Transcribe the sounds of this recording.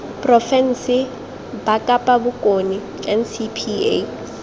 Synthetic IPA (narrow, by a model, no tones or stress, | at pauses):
pʼrɔfɛn̩sɪ | bakʼapʼabʊkʼoni | ɛnsipʰie